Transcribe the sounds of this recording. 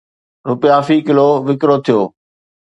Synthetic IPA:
ɾʊpɪjaːfikɪloːʋɪkɾot̪ʰijoː

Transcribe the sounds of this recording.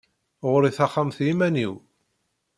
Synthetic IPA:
ʁɾiθɑχːamθjimæniw

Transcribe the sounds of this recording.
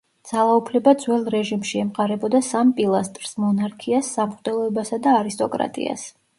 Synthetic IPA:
d̪z̥alˠaupʰlɛbad̪zwɛlˠɾɛʒimʃiɛmqʼaɾɛbɔd̪asampʼilˠast̪ʼɾsmɔnaɾkʰiasːamχd̪ɛlˠɔɛbasad̪aːɾist̪ʼɔkʼɾa̰t̪ʼḭa̰s

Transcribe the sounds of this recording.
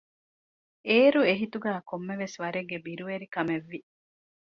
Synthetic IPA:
eːɾueɦit̪uɡæːkomːeʋesʋɐɾeɡːebiɾuʋeɾikɐmeʋːi

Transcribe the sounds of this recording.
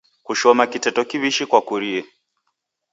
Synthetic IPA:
kuʃɔmakitɛtɔkiβiʃikwakuɾiɛ

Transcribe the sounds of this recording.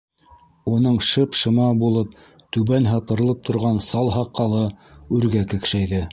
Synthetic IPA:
unɤɴʃɤpʃɤ̆mɑbulˠɤp̚ | t̪ʉβænɦɑpɤ̆ɾlˠɤp̚t̪ʰŏɾʁɑnsɑlˠɦɑqːɑlˠɤʉɾɡækɘ̆kʃæjðɘ

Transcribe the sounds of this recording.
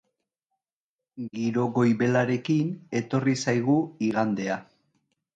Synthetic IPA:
ɡiɾo̞ɣo̞jβe̞laɾe̞kine̞t̪o̞risajɣuiɣand̪e̞a

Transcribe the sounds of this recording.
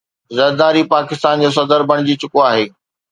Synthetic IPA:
zɐɾd̪aːɾipaːkɪst̪aːnd͡ʑoːsɐd̪əɾbʱɐɽ̃ɪd͡ʑit͡ɕʊkoaːɦeː

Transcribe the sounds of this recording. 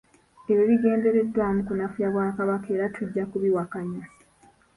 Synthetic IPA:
eɾiɾiɡe̞ːnde̞ɾe̞dːwaːmukunafujaβwaːkaβake̞ːɾatʰuɟːakuβiwakaɲa

